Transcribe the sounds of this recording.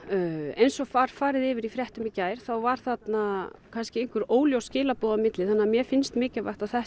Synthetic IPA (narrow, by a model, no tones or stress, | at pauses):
ejnsɔfaɾ̥faːɾɪðɪːvɪɾifɾjɛht̪ʏmɪcaːjɾ̥θawvaɾ̥θat̪nakʰanscɪejŋ̥kʏɾoːwljowscɪːlapɔːðamɪt̪lɪθanːamjɛfɪnst̪mɪːcɪvaht̪aθɛ